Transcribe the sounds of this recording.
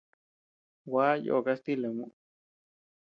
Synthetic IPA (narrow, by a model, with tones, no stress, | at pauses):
wa˦jo̰˨ka˦st̪i˦le˨mũ˦ʔ